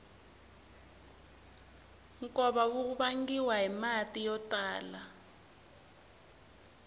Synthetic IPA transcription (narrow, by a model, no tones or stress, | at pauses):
ŋkɔɓawuk̬uɓaŋɡiwaɦimatʼijɔtʼaːla